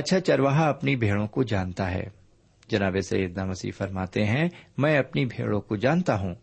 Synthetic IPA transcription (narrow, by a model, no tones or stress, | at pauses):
ɐtːʃʰat͡ʃɐɾʋaːɦaɐpnibʱeːɭõkod͡ʒaːnt̪aɦɛ̰ː | d͡ʒɐnaːbesɐ̰jeːd̪namɐsḭːfɐɾmaːt̪eɦɛ̃mɛ̃ːɐpnibʱḛːɭõkod͡ʒaːnt̪aɦũː